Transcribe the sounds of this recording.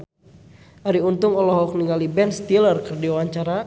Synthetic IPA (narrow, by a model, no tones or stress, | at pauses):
aɾiunt̪ʊŋɔlɔɦɔk̚niŋalibɛnst̪ilərkərdiawaɲt͡ʃaɾa